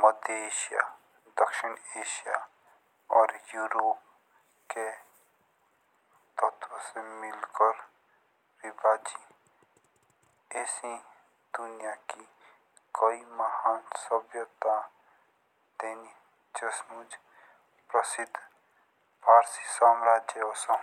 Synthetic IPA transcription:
məd̪eːʃija̰ | d̪əkʃɪneːʃija | ɔːɾjuːɾoːp | ke | t̪ət̪ʰwəsemɪlkəɾ | ɾɪbaːd͡ʒi | eːsĩ | d̪ʊnijaki | koimɐhaːnsəbjot̪ã | d̪eːni | d͡ʒəsmud͡ʒ | pɾəsɪd̪ʱ | bʱaːɾsisaːmɾaːd͡ʒjəɔːsa

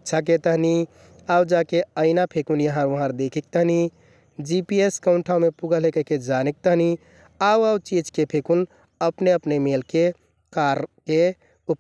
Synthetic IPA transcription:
tːt͡ʃʰak̬et̪əɦni | awd͡ʒakeəɪnapʰekunjəɦãɾʋəɦə̃ɾd̪ekʰik̚t̪əɦni | d͡ʒipieskəʊnʈʰaũmepuɡəlɦekəked͡ʒanek̚t̪əɦni | awawt͡ʃid͡ʒkepʰekun | əpneəpnemelke | kaɾke | up

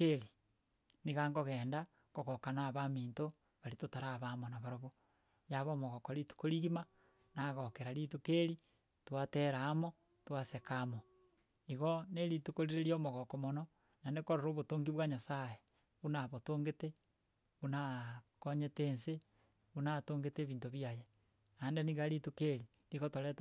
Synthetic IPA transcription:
keɾi | niɣaŋɡoɣeːnda | koɣokanaβamiːnto | βaɾitotaɾaβamonaβaɾoβo | jaβoːmoɣokoɾitu̥koɾiɣima | naɣokeɾaɾitukeɾi | twateɾaːmo | twasekamo | iɣoneɾitukoɾiɾeɾjomoɣokomono | nanekoɾoɾoːβotoŋɡiβwaɲasaje | unaβotoːŋɡete | unakoɲeteːnse | unatoːŋɡeteβiːntoβiaje | andeniɣaɾitukeɾi | liɣotoɾet

